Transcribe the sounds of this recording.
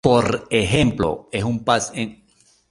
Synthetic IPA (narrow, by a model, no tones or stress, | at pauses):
poɾexemplo̰esumpaseŋ